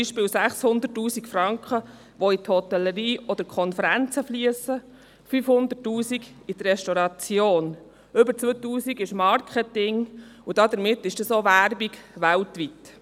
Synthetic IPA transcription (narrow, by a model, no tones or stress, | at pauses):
biʃpɪːwsæχshʊnd̪ətːuːsikfrɑŋkχə | ʋɔit̪hɔt̪ɛlːəɾiːʔɔd̥̪əɾkʰɔnfəɾænt͡səflyəsə | fyfhʊnd̪ətːuːsiɡid̥̪ərɛʃtɔɾɑt͡sjoːn | ʏbəɾt͡sʋøtuːsiɡɪʃmɑɾkχɛtɪŋud̥ɑd̪əɾmɪtːɪʃd̥ɑsoːʋæɾbiɡʋæltʋit̪